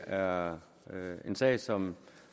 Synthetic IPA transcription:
æɐ | e̝nsɛ̰ɪsɒ̽m

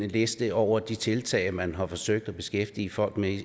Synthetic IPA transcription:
əle̝sd̥əɒʊ̰ɐd̥it͡sʰe̝lt͡sʰɛ̰ɪmænɦɑ̈fɒ̽søɡ̥̚d̥æb̥e̝sɡ̥efd̥iːəfɒ̽l̰ɡ̥me

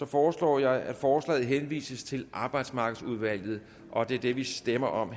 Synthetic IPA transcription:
sɒ̽fɒːslɒ̰ːjɑ̈ɪæd̥fɒːslɛ̰ːð̩ˠɦenʋḭːsəst͡sʰe̝lʔɑ̈ːb̥ɑ̈ɪd̥smɑ̈ɡ̥ð̩ˠsuð̞ˠʋæl̰ð̞̩ˠ | ʔɒ̽d̥e̝æɐd̥e̝ʋisd̥emɐʔɒ̽m

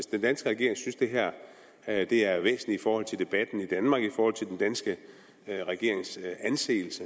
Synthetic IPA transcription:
sd̥end̥ænsɡ̥əʁɛɡe̝ɐeŋsynsd̥e̝ɦæɐ̰ | d̥e̝æɐʋḛːsn̩liifɒːhɒ̽l̰t͡sʰe̝ld̥e̝b̥æd̥n̩id̥ænmɑ̈ːɡ̥ifɒːhɒ̽l̰t͡sʰeldend̥ænsɡ̥ə | ʁɛɡ̥e̝ɐ̰eŋsænse̝̰ːl̩sə

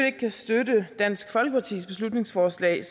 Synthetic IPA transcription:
le̝ɡ̥̚kʰæsd̥ødəd̥æn̰sɡ̥fɒ̽l̰ɡ̥əpʰɑ̈t͡sʰḭːsb̥e̝slud̥ne̝ŋsfɒːslɛ̰ːɪ

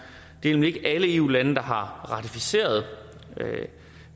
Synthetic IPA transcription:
d̥e̝elmlie̝ɡ̥əʔæləe̝ːṵːlænəd̥ɑ̈ɦɑ̈ʁɑ̈t͡sʰifise̝̰ːɐð̞̩ˠ

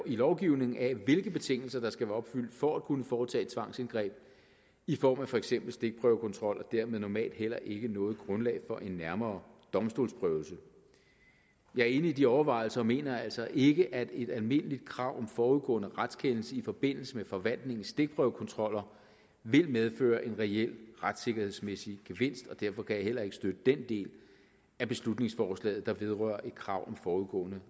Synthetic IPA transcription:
ilɒʊɡ̥iʊne̝ŋŋ̩æʋe̝lɡ̥əb̥e̝t͡sʰe̝ŋ̰l̩sɐd̥ɑ̈sɡ̥æʋæɐɒ̽b̥fyl̰d̥fɒædkʰunəfɒːt͡sʰɛ̰̥ːt͡sʰʋɑ̈ŋ̰senɡ̥ʁɛ̰ːb̥ | ifɒ̰ːmæfɒ̽eɡ̥sem̰b̥l̩sd̥e̝ɡ̥̚b̥ʁœʊkʰɒ̽nt͡sʰʁɒ̽l̰ʔɒd̥æɐ̰með̩ˠnɒmɛ̰ːld̥hel̰ɐʔe̝ɡ̥ənɔ̽ːð̩ˠɡ̥ʁɔ̽nlɛ̰ːɪfɒ̽ʔe̝nːæɐmɐːd̥ɒ̽msd̥o̝̰ːlsb̥ʁœʊlsə | jɑ̈æɐe̝ːnəidiɒʊɐʋɑ̈ɪl̩sɐ̽ːme̝̰ːnɐælsɒ̽ʔe̝ɡ̥əʔæd̥e̝d̥ælme̝nəlid̥̚kʰʁɑ̈ʊ̰ɒ̽mfɒːuðˠɡ̥ɔ̰̽ːnəʁad̥skʰenl̩səifɒ̽b̥e̝n̰l̩səmefɒ̽ʋæn̰d̥ne̝ŋn̩sd̥e̝ɡ̥̚b̥ʁœʊkʰɒ̽nt͡sʰʁɒ̽l̰ɐ | ʋe̝lmeð̞ˠfø̰ːɐʔe̝nʁɛel̰ʁad̥se̝ɡ̥ɐhe̝ð̰ˠsmesiɡ̥e̝ʋe̝n̰sd̥ɒ̽d̥æɐfɒ̽kʰæjɑhel̰ɐe̝ɡ̥ə̥sd̥ød̥əd̥end̥e̝̰ːl | æb̥e̝slud̥ne̝ŋsfɒːslɛ̰ːð̩ˠd̥ɑ̈ʋe̝ð̞ˠʁœɐ̰ʔe̝d̥kʰʁɑ̈ʊ̰ɒ̽mfɒːuðˠɡ̥ɔ̰̽ːnə

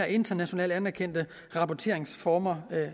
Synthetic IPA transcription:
ɐe̝nd̥ɐnæɕo̝nɛ̰ːlænæɐkʰen̰d̥ə | ʁɑ̈pʰɒt͡sʰe̝ɐe̝ŋsfɒːmɐ

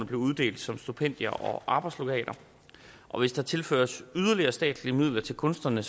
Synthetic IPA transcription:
nəb̥le̝ʊuð̞ˠd̥e̝̰ːld̥sɒ̽msd̥upʰen̰d̥jɐʔɒ̽ʔɑ̈ːb̥ɑ̈ɪ̥slo̝kʰɛ̰ːlʔɐ | ʔɒ̽ʋe̝sd̥ɑ̈t͡sʰe̝lfø̰ːɐsyðˠɐliɐsd̥ɛ̰ːd̥liəmið̞̰ˠlɐt͡sʰe̝lkʰɔ̽nsd̥ɐnə

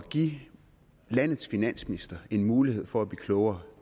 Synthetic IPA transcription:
ɡ̥ḭ | læn̰ð̩ˠsfinæn̰sminisd̥ɐe̝nmuːlihe̝ð̞̰ˠfɒ̽æb̥e̝kʰlɔʊɐ

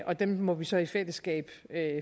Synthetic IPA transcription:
ʔɒ̽d̥emmɒ̽ʋisɒ̽ifel̰əsɡ̥ɛ̰ːb̥ø

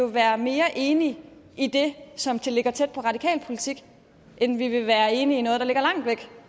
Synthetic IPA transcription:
o̝ʋæːɐme̝ːɐʔe̝ːniʔid̥e̝sɒ̽md̥ʰe̝le̝ɡ̥ɐt͡sʰed̥̚pʰɒ̽ʁɑ̈dikʰɛ̰ːlpʰo̝lit͡sʰiɡ̥ | ʔenʋiʋe̝ʋæːɐe̝ːniːnɔ̽ːðˠd̥ɑle̝ɡ̥ɐlɑ̈ŋ̰d̥ʋeɡ̥

